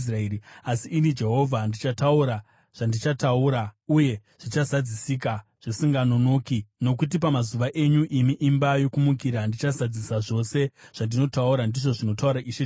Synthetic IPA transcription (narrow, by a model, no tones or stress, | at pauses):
s̬raeriasiʔːnid͡ʒe̞ɦo̞vʱandit͡ʃatauɾa | ʐ̥andit͡ʃatauɾauje̞ | ʐ̥it͡ʃazad͡zisika | ʐ̥isiŋɡanono̞ːkino̞k̬ut̬ipamazuʋaʔe̞ɲuʔimiʔimbajo̞kumukiɾandit͡ʃazad͡zisaʐo̞se̞ | ʐ̥andino̞tauɾandiʐo̞ʐino̞tauɾaʔiʃe